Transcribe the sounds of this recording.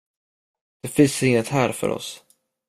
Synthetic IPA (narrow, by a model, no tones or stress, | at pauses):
d̪̥ɛfɪnsɪŋːət̪hæːɾfœ̰ɾʔɔ̰s